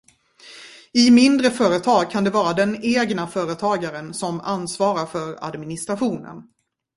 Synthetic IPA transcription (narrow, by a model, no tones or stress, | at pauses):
ɪmɪnd̪ɾəfœːɾət̪ʰɑːɡ̚kʰand̪ɛvɑːɾad̪ɛneːɡnafœːɾət̪ʰɑːɡaɾənsɔma̰nsvɑːɾaɾfœɾa̰d̪mɪnɪst̪ɾaɧuːnə̰n